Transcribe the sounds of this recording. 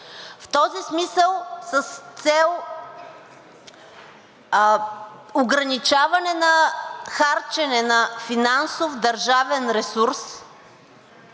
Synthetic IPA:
ft̪ɔzismisəlˠsəst̪sɛlˠ | oɡɾɐnit͡ʃavɐnɛnɐxaɾt͡ʃɛnɛnɐfinansofd̪ɐɾʒavɛnɾɛsuɾs

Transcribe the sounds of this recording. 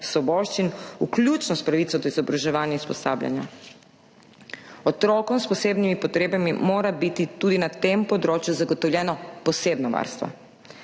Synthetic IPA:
sʋɔbɔːʃt͡ʃinuklʲjut͡ʃnɔspɾaʋit̪sɔd̪ɔizɔbɾaʒɛʋaːnjaispɔsa̰ːblja̰nja̰ | ɔt̪ɾoːkɔmspɔseːbnimipɔt̪ɾeːbamimoːɾabit̪it̪uːd̪inat̪empɔd̪ɾoːt͡ʃjuzaɡɔt̪ɔwljɛːnɔpɔseːbnɔʋa̰ɾst̪ʋɔ̰

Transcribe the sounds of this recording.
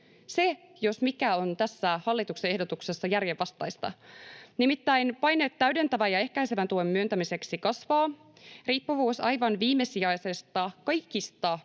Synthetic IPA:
se̞ | jo̞smikæo̞nt̪æsːæhɑlːit̪ukseehdot̪ukse̞sːɑjærjeʋːɑst̪ɑjst̪ɑ̰nimit̪ːæjnpɑjnet̪ːæɥde̞nt̪æʋæjɑe̞hkæjseʋænt̪uemːyønt̪æmise̞ksikɑsʋɑː | riːpːuʋuːsɑjʋɑnʋiːmːe̞siɑjse̞st̪ɑkɑjkist̪ɑ

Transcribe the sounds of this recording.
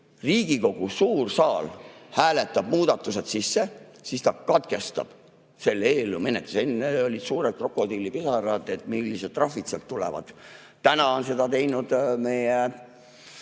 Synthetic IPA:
riːɡ̥iko̞ɡ̥usuːrsɑːlhæːle̞t̪ːˑɑb̥̚muːd̪̥ɑt̪ːˑuse̞t̪sisːesist̪ɑkɑt̪̚ɡ̥e̞st̪ɑ̰b̥ | se̞lːeːlːume̞net̪ːˑu̥se̞nːeo̞lʲid̪suːɾed̪̚kro̞kːˑo̞d̪ilːipesɑɾɑd̪et̪milːised̪̚t̪ːˑrɑfit̪selt̪ːulḛvɑ̰d̪̥ | t̪ːænɑo̞nse̞d̪ɑt̪e̞jnud̪̥me̞je

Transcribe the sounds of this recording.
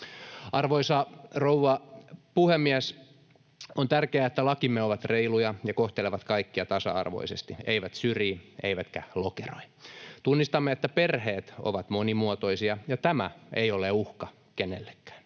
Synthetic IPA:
ʔɑrʋoisɑrouʋɑpuhemːiæs | ont̪ærkeæet̪ːælɑkimːeoʋɑt̪reilujɑjɑkoht̪eleʋɑt̪kɑikːiɑt̪ɑsɑ̰ɑ̰rʋo̰isest̪ieiʋæt̪syriːḛiʋæt̪kæ̰lokero̰jt̪unːist̪ɑmːeet̪ːæperheːt̪o̰ʋɑt̪monimuot̪oisiɑjɑt̪æmæ̰ejoleuhkɑ | kenelːe̥kːæ̥ːn

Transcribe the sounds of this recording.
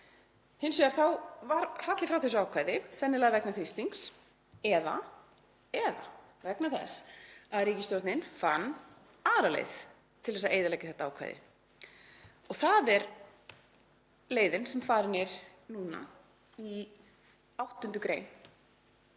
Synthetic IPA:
hɪnsɛaɾ̥θawvaɾfat̪lɪfɾawθɛs̬ʏawkʰvaːjðɪsɛnːɪlaɣavɛknaθɾist̪iŋks | ɛða̰ | ɛða̰ | vɛknaθɛsːaðɾiːcɪst̪jowɾt̪nɪnfanː | aːɾalḛjð | t̪ʰɪlðɛsaðeːjðalɛjcɪ̥θɛht̪aaːwkʰva̰jðɪ̰ | ɔɣθaðɛɾ | leːjðɪnsɛmfaːɾɪnɪɾnuːna̰ | i | awht̪ːʏnt̪ʏkɾḛːjn

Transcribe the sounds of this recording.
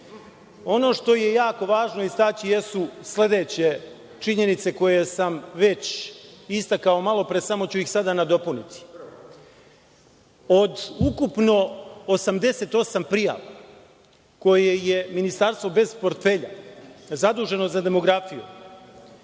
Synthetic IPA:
o̞no̞ʂt̪o̞je̞jaːko̞ʋaːʒnoist̪aːt͡ɕijesusle̞d̪et͡ɕe̞ | t͡ʂiɲe̞nit̪se̞ko̞jesamʋe̞t͡ɕist̪akao̞malˠo̞pɾesamo̞t͡ɕuixsad̪anad̪o̞punit̪i̥ | o̞d̪ukupno̞osamd̪e̞se̞t̪o̞sampɾija̰ʋa̰ | ko̞je̞je̞minist̪aɾst̪ʋo̞be̞zpo̞ɾt̪fe̞ʎa̰zad̪uːʒe̞no̞zad̪e̞mo̞ɡɾafijṵ

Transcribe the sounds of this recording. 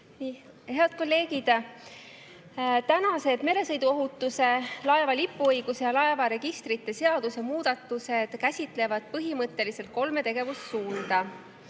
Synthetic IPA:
ni | he̞ɑd̪̥̚ko̞lːe̞ːɡid̪̥ | t̪ænɑse̞d̪̥me̞ɾe̞sɤ̞jd̪uo̞ɦut̪ːˑuse̞lɑe̞vɑlipˑːuɤjɡ̥usejɑlɑe̞vɑɾe̞ɡ̥ist̪ɾit̪ːe̞se̞ɑd̪̥use̞muːd̪̥ɑt̪ːˑuse̞d̪̥kæsʲit̪ˑle̞vɑd̪̥̚pɤɦimɤt̪ːˑe̞lise̞lt̪̚ko̞lme̞t̪e̞ɡ̥e̞vussuːnd̪̥ɑ

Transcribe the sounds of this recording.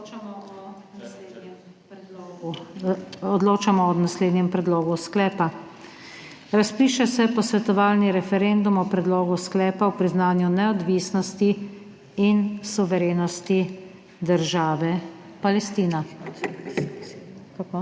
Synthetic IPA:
ɔd̪loːt͡ʃamɔɔnasleːd̪nɲɛmpɾɛd̪loːɡusklɛːpa | ɾaspiːʃɛsɛpɔsʋɛt̪ɔʋaːlniɾɛfɛɾend̪umɔpɾɛd̪loːɡusklɛːpawpɾiznaːnjunɛɔd̪ʋiːsnɔst̪iː | nsuʋɛɾeːnɔst̪i | d̪əɾʒaːʋɛ | palɛst̪iːna | kk

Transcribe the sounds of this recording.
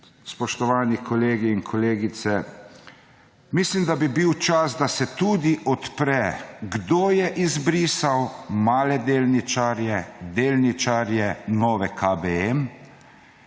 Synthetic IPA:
spɔʃt̪ɔʋaːnikʰɔleːɡiːnkʰɔleːɡit̪sɛ | mislimd̪abibiwt͡ʃasd̪asɛt̪ud̪iʔɔt̪pɾɛɡd̪oːjɛʔizbɾiːsawmaːlɛd̪eːlnit͡ʃaɾjɛd̪eːlnit͡ʃaɾjɛnɔːʋɛkʰabɛɛm

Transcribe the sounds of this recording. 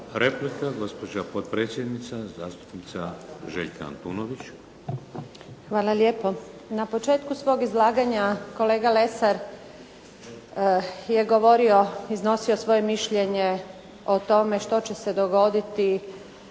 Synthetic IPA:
ɾeplikaɡo̞spod͡ʑapot̪̚pɾeːt̪sʲjed̪nit̪sazaːst̪u̥pnit̪saʒḛʎkʰaa̰nt̪ṵːnoʋit͡ɕ | xʋaːlˠalje̞ːpo̞ | napo̞t͡ʃe̞ːt̪kusʋo̞ːɡizlˠaːɡaɲako̞le̞ːɡale̞saɾ | je̞ɡo̞ʋo̞ɾio̞izno̞sio̞sʋo̞je̞miʃʎeɲe | o̞t̪o̞me̞ʃt̪o̞t͡ɕe̞se̞d̪oɡo̞d̪it̪i

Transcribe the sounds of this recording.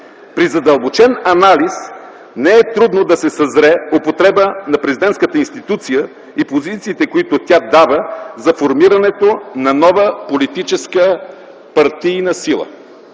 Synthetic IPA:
pɾizɐd̪əlˠbot͡ʃɛnɐnalis | nɛɛt̪ɾud̪nod̪ɐsɛsɐzɾɛopot̪ɾɛbənɐpɾɛzid̪ɛnt̪kət̪əinst̪it̪ut̪sijə | ipozit̪siːt̪ɛkoit̪ot̪ʲad̪avəzɐfoɾmiɾɐnɛt̪onɐnɔvəpolit̪it͡ʃɛskə | pɐɾt̪inɐsilˠə̰

